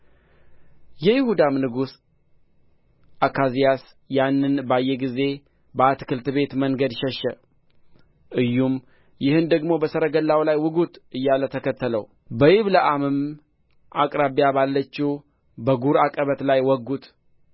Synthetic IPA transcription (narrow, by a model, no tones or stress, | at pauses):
jɛjɪhud̪amnɨɡus | ʔakʰazijas | janːɨnbajːɛɡize̞ | bəat̪ɨ̥kʰɨlt̪ɨbe̞t̪məŋɡəd̪ʃɛʃːɛ | ʔɨjːum | jɪhɨnd̪əɡmo̞bəsəɾəɡəlːawlajwɨɡut̪ʔɨjːalət̪ʰəkət̪ːələw | bəjɪβləʔamɨm | ʔakʼɾaβijabalːət͡ʃːɛw | bəɡuɾakʼəβət̪lajwɔɡːut̪